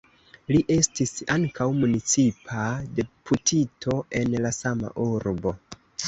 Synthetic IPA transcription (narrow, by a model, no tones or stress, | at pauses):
liʔe̞stisaŋkʰawmunit͡sipʰade̞pʰutʰitʰo̞e̞nlasama̰ʔuɾbo̞